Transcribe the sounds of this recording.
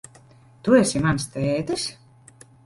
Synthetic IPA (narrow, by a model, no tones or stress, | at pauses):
t̪uɛsʲimanst̪ɛːt̪ɨsʲ